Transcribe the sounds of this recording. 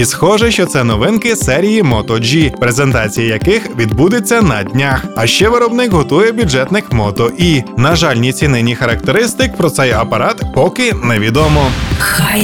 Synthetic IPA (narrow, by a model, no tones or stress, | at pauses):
isxɔʒɛʃt͡ʃɔt̪sɛnɔʋɪnkɪsɛɾʲijimɔt̪ɔd͡ʒipɾezent̪ɑt͡sʲijijɐkɪxʋʲid̪bud̪ɪt͡sʲːɐnɐd̪ʲnʲaxɐʃt͡ʃɛʋɪɾɔbnɪkɦɔt̪ujɛbʲjud͡ʒɛt̪nɪkmɔt̪ɔʔinɐʒɑlʲnʲit͡sʲinɪnʲixɐɾɐk̚t̪eɾɪst̪ɪk̚pɾɔt̪sɛjɐpɐɾɑt̪pɔkɪnɛʋʲid̪ɔmɔ